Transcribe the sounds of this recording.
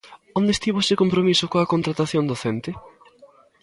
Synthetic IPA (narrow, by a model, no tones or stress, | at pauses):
ond̪est̪iβʊsɪkompɾomisʊkoɐkont̪ɾat̪aθjõnd̪oθɛnt̪ɪ